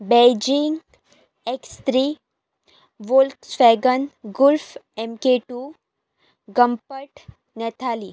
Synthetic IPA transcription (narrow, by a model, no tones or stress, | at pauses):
bed͡ʑiŋɡ | ekst̪ɾi | ʋolt̪sʋɛɡənɡulfemkeʈu | ɡəmpəʈ | nɛt̪ʰali